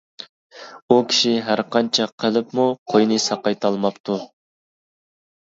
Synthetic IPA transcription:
ukʲʰi̥ʃiɦæɾqɑnt͡ʃʰɛqʰəlˠɪpmuqʰojnɨsɑqɑjt̪ʰɑlˠmɑpt̪ʰu

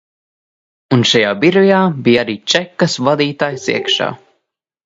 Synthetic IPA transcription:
unʃajaːbiɾijaːbijaɾiːt͡ʃɛkːɐsvad̪iːt̪aːjsḭɛkʃa̰ː

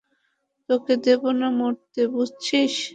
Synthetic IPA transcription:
t̪oked̪ebonamoɾt̪ebud͡ʑʱt͡ɕʰiʃ

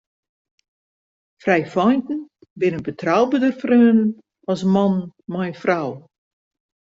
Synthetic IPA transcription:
frɛjfɔjntn̩bɪnəbətrawbədərfrøːn | ɔsmɔnmajfraw

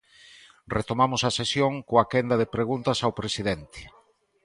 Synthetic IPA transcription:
ret̪omamʊsɐsesjoŋkoakend̪ɐðepɾeɣunt̪ɐsawpɾesiðent̪ɪ̥

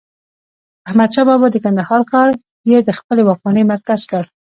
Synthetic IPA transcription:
ahmad̪̚ʃɑbɑbɑd̪əkand̪ahɑɾkɑɾ | jed̪əxpəlewɑk̚mɑnəmaɾkaz̥kəɽ

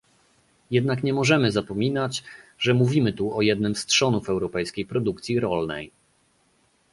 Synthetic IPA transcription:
jɛd̪nakɲɛmɔʐɛmɘzapɔmʲinat͡ɕʐɛmuvʲimɘt̪uɔjɛd̪nɘmstʂɔnufɛwɾɔpɛjskʲejpɾɔd̪ukt̪sʲiɾɔlnɛ̰j

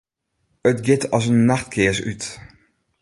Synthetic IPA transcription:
ətɡɪtʰɔs̬ənːaxtkʰɪəsy̰t

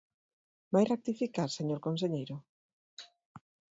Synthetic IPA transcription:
bajrek̚t̪ifikaɾseɲoɾkons̬eʎejɾʊ

